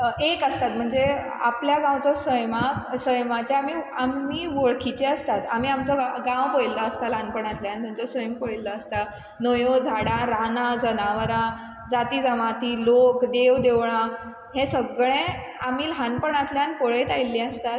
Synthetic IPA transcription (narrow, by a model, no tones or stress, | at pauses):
ekəst̪at̪̚m̤əɳd͡ze | a̰pljaɡãwt͡sɔsəjmaksəjmat͡ɕeamiamːiːʋoɭkʰit͡ɕeəst̪at̪am̤iamt͡sɔɡãwpojlːəəst̪alanpəɳat̪ljant̪umt͡sɔsəjmpoɭilːəːst̪a | nəjod͡zʱaɽãɾanad͡zənaʋɾã | d͡zat̪iːd͡zəmat̪iːlokd̪eʋd̪eʋɳã | hẽsəɡɭẽ | am̤iːlɦanpəɳat̪ljanpoɭet̪ajlːĩəst̪at̪